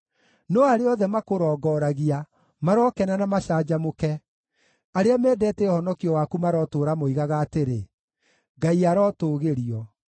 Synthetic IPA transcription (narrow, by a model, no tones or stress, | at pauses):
nɔaɾeɔðɛmakoɾɔːɡɔːɾaɣia | maɾɔkɛnanamaʃaːd͡ʒamokɛ | aɾeamɛːdɛːtɛhɔnɔkiɔwakumaɾɔtoːɾamoiɣaɣaːteɾe | ɡaiaɾɔtoːɣeɾiɔ